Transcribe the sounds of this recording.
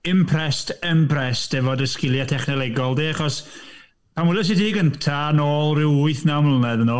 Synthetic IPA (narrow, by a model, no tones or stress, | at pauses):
ɪmpʰrɛstʰəmpʰrɛstɛvɔdəskɪlˠjatʰɛχnɛlˠɛɡɔlˠdeːaχɔs | pʰamwɛlˠɛs̬ɪtiːɡəntʰanoːlˠrɪwʊɨθnawmlənɛðənɔ